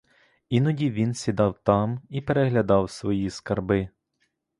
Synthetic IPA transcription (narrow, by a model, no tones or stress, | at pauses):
inɔdʲiʋʲinsʲid̪ɑwt̪ɑmipeɾeɦlʲɐd̪ɑwsʋɔjiskɐrbɪ